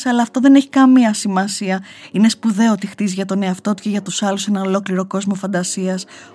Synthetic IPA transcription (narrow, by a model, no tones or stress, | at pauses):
sɐlɐːft̪o̞ðe̞ne̞çi̥kɐmiɐsimɐsiɐ | ine̞spuðe̞ot̪ixt̪iziʝɐt̪o̞ne̞ɐft̪o̞t̪u̥ce̞ʝɐt̪usɐluse̞nɐno̞lo̞kliɾo̞ko̞zmo̞fɐnd̪ɐsiɐs